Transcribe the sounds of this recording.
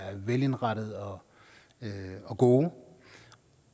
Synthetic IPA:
æɐʋele̝nʁɑɾ̥ð̞̩ˠɒ̽ | ɒ̽ɡ̥o̝ː

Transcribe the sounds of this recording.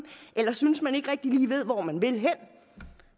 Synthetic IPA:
ʔelɐsynəsmæne̝ɡ̥ʁɛɡ̥̚d̥iliːʋe̝ð̞̰ˠʋɒmænʋe̝lɦen̰

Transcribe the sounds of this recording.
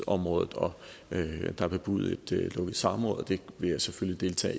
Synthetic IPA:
ɒ̽mʁɔ̽ːðˠð̩ˠɒ̽ | d̥ɑ̈b̥eb̥uð̞̰ˠe̝d̥lɔɡ̥əð̩ˠsɑ̈mʁɔ̽ːðˠd̥e̝ʋe̝jɑ̈ɪseføljid̥e̝lt͡sʰɛ̰ː

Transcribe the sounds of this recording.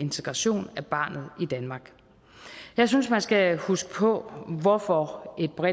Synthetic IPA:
e̝nt͡sʰeɡ̥ʁɑ̈ɕo̝̰ːnæb̥ɑ̈ːnð̞̩ˠid̥ænmɑ̈ɡ̥ | jɑ̈ɪs̬ynsmænsɡ̥æhusɡ̥ə̥pʰɔ̽ʋɒfɒe̝d̥̚b̥ʁɛ

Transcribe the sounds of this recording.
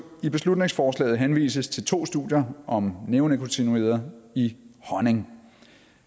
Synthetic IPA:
ib̥e̝slud̥ne̝ŋsfɒːslɛ̰ːð̞̩ˠɦenʋḭːsəst͡sʰe̝lt͡sʰo̝̰ːsd̥uðˠjɐʔɒ̽mneʊnəkʰont͡sʰinue̝̰ːð̰ˠɐihɒne̝ŋ

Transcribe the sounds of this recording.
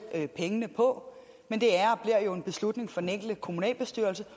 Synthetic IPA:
pʰeŋənəpʰɒ̽ | mend̥e̝æɐb̥liɐ̰jo̝e̝nb̥e̝slud̥ne̝ŋfɒdeneŋ̰ɡ̥l̩d̥kʰo̝munɛ̰ːlb̥e̝sd̥yɐlsə

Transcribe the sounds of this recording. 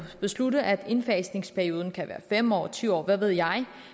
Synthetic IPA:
b̥e̝sludəʔæd̥e̝nfɛsne̝ŋspʰæɐio̝ːð̞ˠn̩kʰæʋæ̰ːɐfem̰ɒ̰ːt͡sʰyʊɒ̰ːʋæʋe̝ð̞̰ˠjɑ̈ɪ

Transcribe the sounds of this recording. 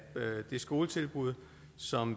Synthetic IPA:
d̥e̝sɡ̥o̝ːlət͡sʰe̝lb̥uð̞̰ˠ | sɒ̽m

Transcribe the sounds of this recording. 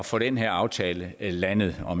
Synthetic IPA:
ɒfɔ̽ɾ̥enɦeɐɑ̈ʊt͡sʰɛːləlænð̞̩ˠɒ̽m

